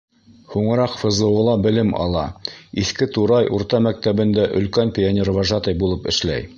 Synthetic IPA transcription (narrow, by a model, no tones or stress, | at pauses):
huɴɤ̆ɾɑqfɤ̆zɤ̆wɤ̆lˠɑbɘ̆lɘmɑ̰lˠɑiθkɘt̪uɾɑjʔuɾt̪ɑmæk̚t̪æβɘ̆nd̪æʔɵ̆lkænpʲɪanʲervɑʒɑt̪ɤjbulˠɤpɘ̆ʃlæ̰j